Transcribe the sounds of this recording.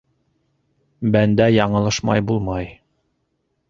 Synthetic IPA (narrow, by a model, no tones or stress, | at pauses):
bænd̪æjɑɴɤ̆lˠɤʃmɑ̰jbulˠmɑj